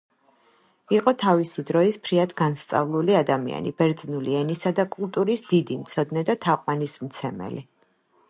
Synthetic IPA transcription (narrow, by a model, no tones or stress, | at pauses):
iqʼɔt̪ʰavisid̪ɾɔispʰɾiad̪ɡanst̪sʼa̰vlˠuliad̪amḭa̰nḭbɛɾd̪znuliɛnisad̪akʼulˠt̪ʼuɾisd̪id̪imt̪sʰɔd̪nɛd̪at̪ʰaqʼwanismt̪sʰɛmɛ̰li